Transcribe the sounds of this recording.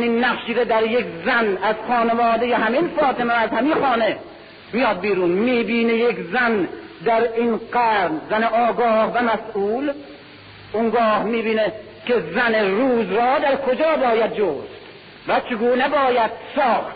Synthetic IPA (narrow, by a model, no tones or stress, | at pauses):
ninːæχʃiːɾed̪æɾjekʲzænæz̥xɒːnevɒːd̪ejeɦæminfɒːt̪ʰemeæzhæminxɒːne | mijɒːd̪̚biːɾuːnmiːbiːnejekzæn | d̪æɾinɡæɾnzæneʔɒːɡɒːhvæmæsuːl | oŋɡɒːhmiːbiːne | kezæneɾuːzɾɒːd̪æɾkʰod͡ʒɒːbɒːjæd̪̚d͡ʒoːs | væt͡ʃʰeɡuːnebɒːjæd̪̥̚sɒːxt̪